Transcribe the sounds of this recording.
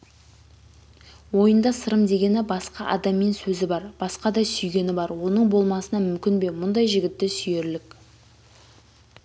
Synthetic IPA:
wo̞jənd̪ɑsəɾəmd̪e̞ɡʲe̞nɪbɑsqɑʔɑ̰d̪ɑmːe̞nsɵzɪbɑɾb̥ɑsqɑd̪ɑsʏjɡʲe̞nɪbɑɾwo̞nəɴbo̞lˠmɑsənɑmʏmkʲɪnbe̞mʊnd̪ɑjʒɪɡʲɪt̪ːɪsʏje̞ɾlɪk

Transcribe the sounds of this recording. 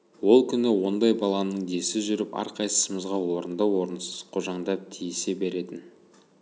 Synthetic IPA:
wo̞lˠkʲʰʏnɪwo̞nd̪ɑjbɑlˠɑnəɴd̪e̞sɪʒʏɾɪpɑ̰ɾqʰɑjsə̥səməzʁɑwo̞ɾənd̪ɑwo̞ɾənsəz̥qʰo̞ʒɑɴd̪ɑp̚t̪ʰijsebe̞ɾe̞t̪ɪn

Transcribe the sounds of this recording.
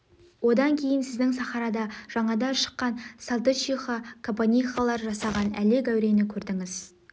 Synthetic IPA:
wo̞d̪ɑŋkʲʰe̞jɪnsɪzd̪ɪŋsɑχɑɾɑd̪ɑʒ̥ɑɴɑd̪ɑʃə̥qːɑnsalˠt̪ət͡ʃiχokʰompanʲijχalˠɑɾʒɑsɑʁɑnæ̰leɡæwɾe̞nɪkʲʰɵɾd̪ɪŋɪz̥

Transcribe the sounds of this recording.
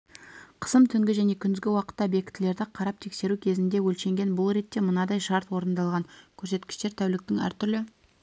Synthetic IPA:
qʰə̥səmt̪ʰʏŋɡʲɪʒæne̞kʲʰʏnɪzɡʲɪwɑqə̥t̪ːɑbe̞kʲɪt̪ːʰɪle̞ɾd̪ɪqʰɑɾɑp̚t̪ʰe̞kse̞ɾukʲʰe̞zɪnd̪e̞wɵlʃe̞ŋɡʲe̞nbʊlˠɾe̞t̪ːe̞mʊnɑd̪ɑjʃɑɾt̪wo̞ɾənd̪ɑlˠʁɑŋkʲʰɵɾse̞t̪kʲɪ̥ʃt̪e̞ɾt̪ʰæwlɪk̚t̪ɪŋæ̰ɾt̪ʰʏɾlɪ

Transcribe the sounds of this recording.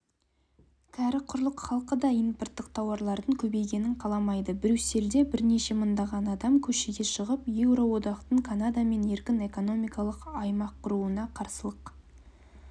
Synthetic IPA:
kʲʰæɾɪqʰʊɾlˠəqχɑlˠqəd̪ɑijnport̪ːəqt̪ʰɑwɑɾlˠɑɾd̪əŋkʲʰɵbe̞jɡʲe̞nɪɴqʰɑlˠɑmɑjd̪əbɪɾʲyse̞ld̪e̞bɪɾne̞ʃe̞mənd̪ɑʁɑnɑd̪ɑmkʲʰɵʃeɡʲe̞ʃəʁəpjewɾo̞wo̞d̪ɑqt̪əɴkʰanad̪ame̞ne̞ɾkʲɪne̞ko̞no̞mijkɑlˠəqɑjmɑqʰːʊɾuənɑqʰɑɾsəlˠəq

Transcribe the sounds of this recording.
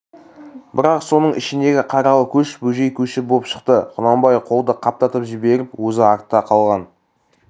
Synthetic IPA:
bɪɾɑqso̞nəɴʔɪ̰ʃɪnd̪e̞ɡʲɪqʰɑɾɑlˠkʲʰɵʃbɵʒe̞jkʲʰɵʃɪboəpʃə̥qt̪əqʰʊnɑmbɑjqʰo̞lˠd̪əqʰɑp̚t̪ɑt̪əpʒɪbe̞ɾɪpwɵzɪɑɾt̪ːɑqʰɑlˠʁɑn

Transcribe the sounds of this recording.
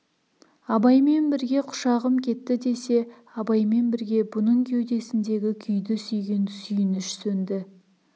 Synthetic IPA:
ɑbɑjme̞nbɪɾɡʲe̞qʰʊ̥ʃɑʁəmkʲʰe̞t̪ːɪd̪e̞se̞ | ɑbɑjme̞nbɪɾɡʲe̞bʊnəɴkʲʰewd̪e̞sɪnd̪e̞ɡʲɪkʲʰʏjd̪ɪsʏjɡʲensʏjɪnʏʃsɵnd̪ɪ

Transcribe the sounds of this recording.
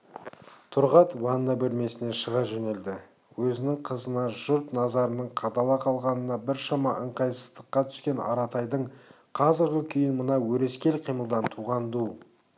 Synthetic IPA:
t̪ʰʊɾʁɑt̪wɑnːɑbɵlme̞sɪne̞ʃəʁɑʒɵne̞ld̪ɪ | wɵzɪnɪŋqʰəzənɑʒʊɾt̪nɑzɑɾənəɴqʰɑd̪ɑlˠɑqʰɑlˠʁɑnənɑbɪɾʃɑmɑʔəɴqɑjsə̥zt̪əqːɑt̪ʰʏ̥skʲe̞nɑ̰ɾɑt̪ʰɑjd̪əɴ | qʰɑzɪɾɡʲʏkʲʰʏjɪnmənɑwɵɾe̞skʲelqʰijməlˠd̪ɑnt̪ʰuʁɑnd̪u

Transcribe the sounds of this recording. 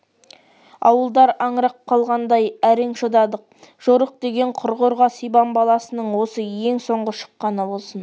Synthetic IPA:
ɑwəlˠd̪ɑɾɑɴɾɑqʰɑlˠʁɑnd̪ɑjæɾeŋʃod̪ɑd̪əq̚ʒ̥oɾəq̚d̪e̞ɡʲe̞ɴqʰʊɾʁoɾʁɑsijbɑmbɑlˠɑsənəɴwo̞səje̞ŋso̞ɴʁəʃə̥qːɑnəbo̞lˠsən

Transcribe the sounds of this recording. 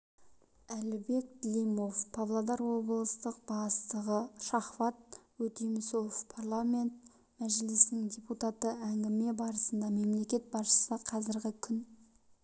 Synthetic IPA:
ælɪbe̞k̚d̪lʲijmo̞fpʰɑvlˠad̪ɑɾwo̞bəlˠəst̪əq̚b̥ɑst̪əʁəʃɑχvɑt̪̚wɵt̪ijmɪso̞fpʰarlˠamʲe̞nt̪̚ | mæʒɪlɪsnɪŋd̪ʲeput̪at̪əæŋɡʲɪme̞bɑɾəsənd̪ɑme̞mle̞kʲe̞t̪̚bɑsʃə̥səqʰɑzɪɾɡʲɪkʲʰʏn

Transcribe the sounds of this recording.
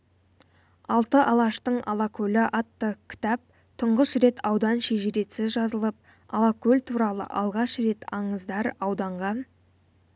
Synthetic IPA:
ɑlˠt̪əʔɑlˠɑʃt̪əɴɑ̰lˠɑkʲʰɵlɪʔɑt̪ːəkʲʰɪ̥t̪ɑp̚ | t̪ʰʊɴʁəʃɾe̞t̪ʰɑwd̪ɑnʃeʒɪɾe̞t̪sɪzʒɑzəlˠəp̚ | ɑlˠakɵlʲt̪ʰuɾɑlˠə̰ʔɑlˠʁɑʃɾe̞t̪ɑɴəzd̪ɑɾɑwd̪ɑɴʁɑn

